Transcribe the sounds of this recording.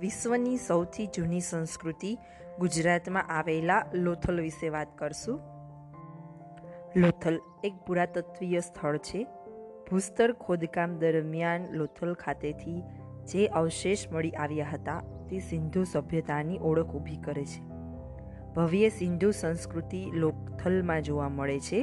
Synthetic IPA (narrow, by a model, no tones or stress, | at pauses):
ʋiʃʋənisəwt̪ʰid͡ʒunisə̃ñskɾut̪i | ɡud͡ʒɾat̪mãʔaʋelalot̪ʰəlʋiʃeʋat̪kəɾʃũ | lot̪ʰəl | ek̚puɾat̪ət̪ʋijəst̪ʰəɭt͡ʃʰe | b̥ʱust̪əɾkʰod̪kamd̪əɾmjanlot̪ʰəlkʰat̪et̪ʰi | d͡ʒeʔəʋʃeʃməɭiʔaʋjaɦət̪at̪esɪnd̪ʱusəbʱjət̪aniʔɔɽəkʰubʱikəɾet͡ʃʰe̥ | bʱəʋjəsɪnd̪ʱusə̃nskɾut̪ilokt̪ʰəlmãd͡ʒoʋaməɭet͡ʃʰe